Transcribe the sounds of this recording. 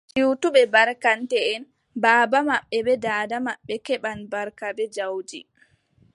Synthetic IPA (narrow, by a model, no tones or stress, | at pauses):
t͡ʃiwtuɓɛbaɾkantɛːn | baːbamaɓːɛbɛdaːdamaɓːɛkɛɓanbaɾkabɛd͡ʒawd͡ʒi